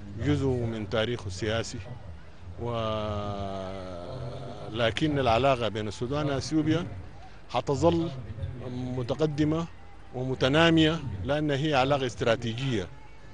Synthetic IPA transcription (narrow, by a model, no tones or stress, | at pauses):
d͡ʒuzumint̪aːɾiːxasːijaːsi | wa | laːkinːalʕalaːɡabeːnasːuːd̪aːnaʔaθjuːbija | hɑt̪ɑzˤɑlː | mʊt̪aqad̪ːima | wimut̪anaːmɪjalɪʔanːaɦijːaʕalaːɡaɪst̪ɾaːt̪iːd͡ʒijːa